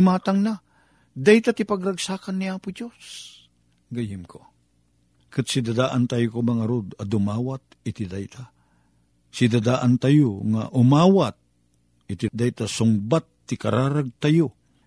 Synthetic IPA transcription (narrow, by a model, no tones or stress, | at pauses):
maːt̪aŋna | d̪ajt̪at̪ipaɡɾaɡsaːkanːiaːpʊd͡ʒos | ɡajɪmkʰo | kɨt̪sid̪ad̪aːʔant̪ajʊkomɐŋaɾod̪ɐd̪ʊmaːwat̪ | ɪt̪ɪd̪ajt̪ʰa | sid̪ad̪aːʔant̪ajoŋa̰ʔʊmaːwat̪̚ | ɪt̪id̪ajt̪asʊŋbat̪ːikaɾaːɾaɡ̚t̪ajo